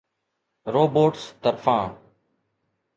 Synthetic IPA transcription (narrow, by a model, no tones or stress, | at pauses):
ɾoːboːʈst̪əɾfãː